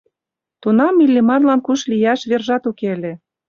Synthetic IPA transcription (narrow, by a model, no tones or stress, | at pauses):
t̪unɑmilʲːemɑrlɑnkuʃlijɑʃβerʒɑt̪ukelʲe